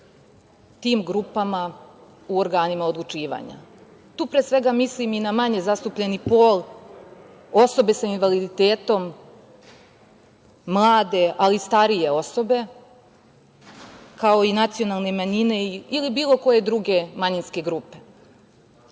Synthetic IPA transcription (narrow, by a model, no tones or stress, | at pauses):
t̪iːmɡɾupama | uo̞ɾɡaːnimaod̪lˠut͡ʃiːʋa̰ɲa̰ | t̪uːpɾesʋe̞ɡamisliminamaɲe̞zast̪upʎenipoːl | o̞so̞be̞sainʋalid̪it̪eːt̪o̞m | lˠaːd̪e̞ʔalist̪aɾije̞o̞so̞be̞ | kao̞inat̪sijo̞nalˠnemaɲine̞iilibiːlˠo̞ko̞je̞d̪ɾuɡe̞maɲinske̞ɡɾupe̞